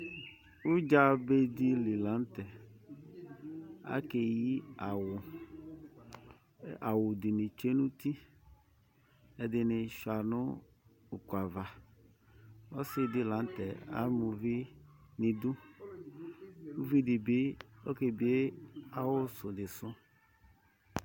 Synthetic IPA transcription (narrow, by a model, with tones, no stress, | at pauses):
wu˦d͡ʒa˦be˦di˦li˨la˨˦n˦t̪ɛ˨ | a̰˦ke˨ji˦a˨wʊ˨˦ | a˨wʊ˨di˨ni˨t͡ʃe˦nũ˦t̪i˦ | e˨dɪ˨nɪ˨ʃa˨nʊ̃˦ | u˨ku˨a˨va˨ | ɔ˦sɪ˦dɪ˦la˨˦n˦t̪ɛ˨a̰˦mu˨vi˦nɪ̃˨d̪ʊ˦ | u˦vi˦dɪ˨bɪ˦o˦ke˨bi˨˦e˦a˦wʊ˦sʊ˨dɪ˨sʊ˦